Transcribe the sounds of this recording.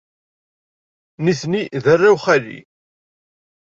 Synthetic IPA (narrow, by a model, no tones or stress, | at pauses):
niθniðərːawχælḭ